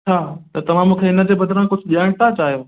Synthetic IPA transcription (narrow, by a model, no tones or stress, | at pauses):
t͡ɕʰaːt̪ɐt̪ɐʋ̤ãmũːkʰeɪnə̆d͡ʑeːbɐd̪ɾãkʊd͡ʑʱɗijaːɪɽ̃t̪ʰat͡ɕaːɦijoː